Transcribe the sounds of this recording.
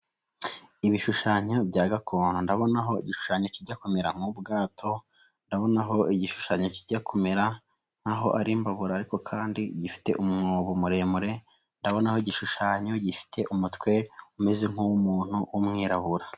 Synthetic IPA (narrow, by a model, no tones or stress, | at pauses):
iβiʃuʃaɲo̞bɟaːɡakʰon̥undaβo̞naɦo̞ḭɟiʃu̥ʃaɲociɾɟako̞me̞ɾaŋ̥ubɡaːtʰo̞ | ndaβo̞naɦo̞ʔiɟiʃu̥ʃaɲo̞ciɾɟakʰo̞me̞ɾa | ŋ̥aɦo̞ʔaɾimbaβuɾaːɾiko̞kʰaːndiɟifi̥te̞̰ʔumŋoːβomuɾe̞muɾe̞ | ndaβo̞naho̞iɟiʃuʃaɲo̞ɟifi̥tʰe̞ʔumutkwe̞ume̞zeŋ̥uwumuːn̥huwumŋiːɾaβuɾa